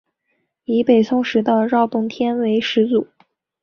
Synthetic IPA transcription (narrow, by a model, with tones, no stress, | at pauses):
i˧˥pe˨˩ɪsʰʊ˥ŋʂɻ̩˧˥d̪ə˧ɻɑ˥˧ʊt̪ʊ˥˧ŋt̪ʰjɛ˥nwe˧˥ɪʂɻ̩˧˥t͡su˨˩˦